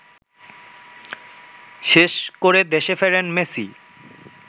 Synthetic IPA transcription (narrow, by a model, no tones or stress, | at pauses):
ʃeʃkoɾed̪eʃefeɾenmesi